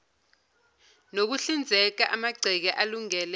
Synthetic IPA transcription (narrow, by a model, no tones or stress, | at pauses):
nok̬uɬind͡zʱɛk̬aʔamaɡ͡ǀʱɛk̬ɛʔaluŋɛːlɛ